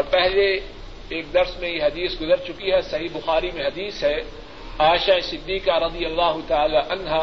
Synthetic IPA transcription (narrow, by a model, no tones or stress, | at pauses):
ɔːɾpɛɦle | eːk̚d̪ɐɾsmẽjeɦɐd̪iːsɡʊzəɾt͡ʃʊkiɦɛsɐɦibʊxaːɾimẽɦɐd̪iːsɦɛ | aːɪʃaesɪd̪ːiːkaɾɐd̪ijɐlːaːɦʊt̪ɐaːlaʔɐnɦaː